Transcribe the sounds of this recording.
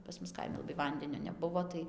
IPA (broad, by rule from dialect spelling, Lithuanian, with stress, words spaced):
pɐs ˈmʊs ˈkɐɪmʲɪ lˠɐˈbɐɪ ˈʋɐnʲdʲɛnʲoː nʲɛˈbʊʋoː tɐɪ